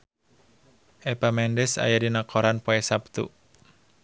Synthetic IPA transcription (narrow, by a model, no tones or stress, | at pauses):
ʔɛpamɛndɛsa̰jadinakʰɔɾanpoɛsap̚t̪ṵ